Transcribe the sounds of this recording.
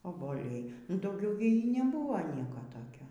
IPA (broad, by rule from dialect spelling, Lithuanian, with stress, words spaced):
oːboːˈlʲɛɪ nʊ dɐʊˈɡʲɛʊ ɡʲɪ nʲɛˈbuːʋɐ ˈnʲiɛkoː toːˈkʲoː